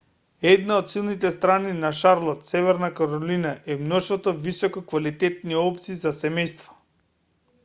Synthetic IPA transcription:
ɛd̪naot̪silˠnit̪ɛst̪ɾaninaʃaɾlˠɔt̪sɛvɛɾnakaɾɔlinaʔɛmnɔʃt̪vɔt̪ovisɔkɔkvalit̪ɛt̪̚niɔp̚t̪siːzasɛmɛjst̪vḁ

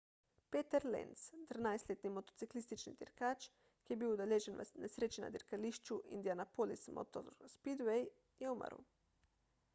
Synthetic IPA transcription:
pet̪eɾlḛnst̪rnajst̪lʲet̪nimot̪ot̪siklist̪it͡ʃnḭd̪ḭɾkaːt͡ʃ | kijebiːwud̪aleʒenʋnesɾet͡ʃina̰d̪iɾkaliʃt͡ʃuʔḭnd̪ianapolismo̰t̪o̰spid̪wej | jeumə̰ɾṵ

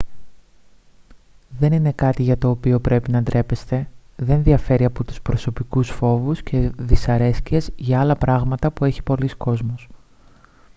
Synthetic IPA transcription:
ðe̞nine̞kɐt̪iʝɐt̪o̞ːpio̞pɾʔe̞pinɐnd̪ɾe̞pe̞st̪e̞ðe̞nðiɐfe̞ɾiɐput̪u̥spɾo̞so̞pikusfo̞vusce̞ðisɐɾe̞sciezʝɐɐlɐpɾɐɣmɐt̪ɐpue̞çi̥po̞lisko̞zmo̞s

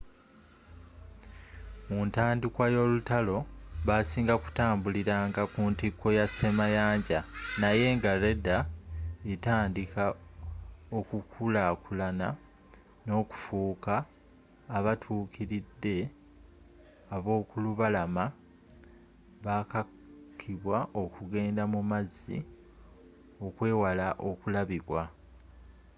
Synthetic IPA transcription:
muntaːndikwajo̞lutalo̞βasiːŋɡaku̥taːmbuliɾaːŋɡakuntikʰːo̞jase̞majaːɲɟanaje̞ŋɡaɾe̞da | itaːndika | o̞kukʰulakulana | no̞ːku̥fuːkaː | βatʰuːkʰiɾidːe̞ | aβo̞ːkuluβalama | βaka | kʰiβwao̞kuɡe̞ːndamumazḭ | o̞kwe̞ːwalaʔo̞kulaβiβwa

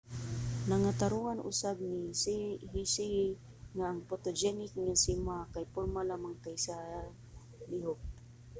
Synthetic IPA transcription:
naŋat̪aɾuŋanʔʊ̰sab̚nishisi | ŋaːŋpot̪od͡ʒɛnɪkŋasimakajpoɾmalamaŋkajsa | lɪɦʊp̚

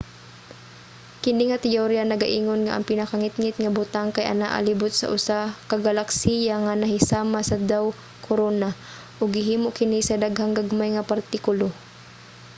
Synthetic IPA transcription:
kɪniŋat̪ɪjoɾjanɐɡaʔiːŋonŋaʔɐ̰ŋpɪnakaŋɪt̪̚ŋɪt̪̚ŋabʊt̪aŋkajʔa̰na̰ʔa̰libʊt̪̚sɐ̰ʔʊsakaɡalaksijaŋanɐɦɪsaːmasɐd̪aw | kʰoɾoːna | ʔʊɡːɪɦiːmoʔkɪnisɐd̪aɡhaŋɡaɡmajŋɐpaɾt̪ɪkʊlo

